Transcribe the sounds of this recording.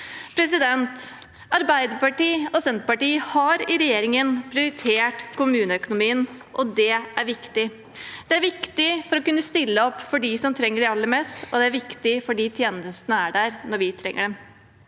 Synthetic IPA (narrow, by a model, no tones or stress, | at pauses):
pʰɾɛsɪd̪ɛnt̪ | ɑɾbæɪd̪əɾpɑʈiːɔsɛnt̪pɑʈiːhɑɾɪɾɛjeːɾɪŋənpʰɾɪʊɾɪt̪ʰeːʈkʊmʉːnəœkʊnʊmiːənʔɔd̪ɛʔæɾʋɪkt̪ɪ | d̪̥ɛæɾʋɪkt̪ɪfɔɾɔkʉnːəst̪ɪlːəɔpːfɔɖisɔmt̪ʰɾɛŋːəɖɛɑlːəɾmɛst̪ɔd̪ɛæɾʋɪkt̪ɪfɔɖiːt̪ʰjeːnəst̪ənəæɖæɾnɔɾʋɪt̪ʰɾɛ̰ŋːəɖɛm